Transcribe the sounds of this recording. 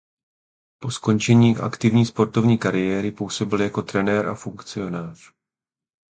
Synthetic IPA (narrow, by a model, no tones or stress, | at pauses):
po̞sko̞nt͡ʃɛɲiːʔa̰kt̪ɪvɲiːspo̞ɾt̪o̞vɲiːkaɾɪjɛːɾɪpuwso̞bɪljako̞t̪ɾɛnɛːɾʔa̰fuŋkt͡sɪo̞naːr̝̥